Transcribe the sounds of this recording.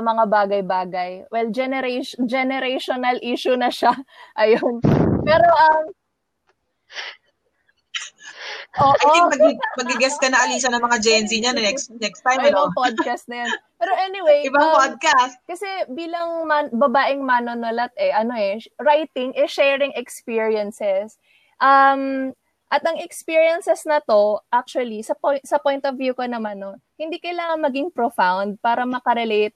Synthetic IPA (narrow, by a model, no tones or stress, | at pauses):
ɐmɐŋabaːɡɐjbaːɡɐjwɛld͡ʒɛnɛɾed͡ʒɛnɛɾejʃonɐlʔiːʃʊnɐʃaʔɐjopɛːɾo̞ʔɐm | ʔoːʔomɐɡmɐɡɡɪɡɛskɐnɐɐliːsɐnɐŋmɐŋad͡ʒɛnsiɲanɐnɛksnɛkst̪ajɪbɐŋpod̪̚kɐst̪̚nɐjanpɛːɾoʔɛnɪwejɪbapod̪̚kast̪̚kɐsɛbiːlɐŋmabɐbaːʔɪŋmɐnonolɐt̪̚ʔɛʔɐno̞ʔɛɹajt̪ɪŋʔɛʃɛːɹɪŋɛkspiːɹiɐnsɛs | ʔɐm | ʔɐt̪ɐŋɛkspiːɹjɐnsɛsnɐt̪o̞ʔak̚t͡ʃʊɐlisɐposɐpojnt̪ovjukonɐmanːonhɪnd̪ikɐjlaːŋɐŋmɐɡɪŋpɾofawnd̪̚paːɾɐmɐkɐɾɛlejt̪̚